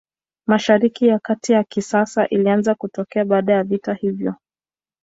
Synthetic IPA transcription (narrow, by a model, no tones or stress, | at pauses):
maʃaɾikijakatijakisasaʔilianzakutɔkɛaɓaːɗajavitahivjɔ